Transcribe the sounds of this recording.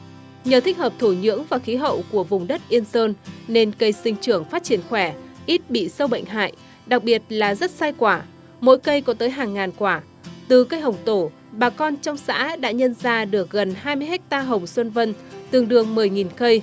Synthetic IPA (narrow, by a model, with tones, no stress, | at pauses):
ɲəː˨˩t̪ʰï˦˥k̟̚həː˨˩p̚t̪ʰu˧˩ɲɨ̰˧˥əŋvaː˨˩xi˨˦ɦə̰˧˨wku˧˩əvʊ˨˩ŋ͡mɗə˦˥t̚ʔi˧ənsəː˧nne˧nkə˧jsï˧ŋ̟t͡ɕɨ˧˩əŋfaː˦˥t̚t͡ɕi˧˩ənxwɛ˧˩ʔi˦˥t̚ɓḭ˧˨sə˧wɓə̰˧˨jŋ̟ɦa̰ː˧˨j | ɗa˨˩k̚ɓi˨˩ət̚laː˨˩zə˦˥t̚saː˧jkwaː˧˩ | mo̰˧˥jkə˧jkɔ˨˦t̪əː˨˦jɦaː˨˩ŋːaː˨˩nkwaː˧˩ | t̪ɨ˨˩kə˧jɦə˨˩wŋ͡mt̪o˧˩ | ɓaː˨˩kɔ˧nt͡ɕɔ˧wŋ͡msa̰ː˧˥ɗa̰ː˧˥ɲə˧nzaː˧ɗɨ˨˩ək̚ɣə˨˩nhaː˧jmɨ˧əɦɛ˦˥k̚t̪aː˧ɦə˨˩wŋ͡mswə˧nvə˧nt̪ɨ˨˩əŋɗɨ˨˩əŋmɨ˨˩əjŋi˨˩nkə˧j